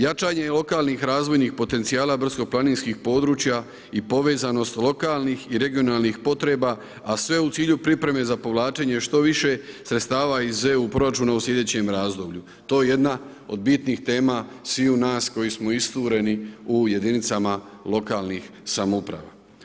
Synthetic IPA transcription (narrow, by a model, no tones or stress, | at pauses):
jat͡ʃaːɲe̞jelˠo̞kaːlnixɾaːzʋo̞jnixpo̞t̪e̞nt̪sijaːlabr̩zkoplˠaniːnskixpo̞ːd̪ɾuːt͡ɕja | ipo̞ʋe̞ːzano̞st̪lo̞kaːlˠnixiɾe̞ɡijo̞naːlˠnixpo̞t̪ɾe̞ːba | asʋe̞ut̪siːʎupɾipɾe̞me̞zapo̞ʋlˠaːt͡ʃe̞ɲe̞ʃt̪o̞ʋiʃe̞sɾet̪st̪aːʋaizeupɾo̞ɾat͡ʃuːnauslʲe̞d̪e̞ːt͡ɕe̞mɾaːzd̪o̞bʎu | t̪o̞jeje̞d̪na | o̞̰d̪̚bit̪nixt̪e̞ːmasʋiunaːsko̞jismo̞ist̪uːɾe̞niuje̞d̪init̪samalo̞kaːlˠnix | samoupɾa̰ʋa̰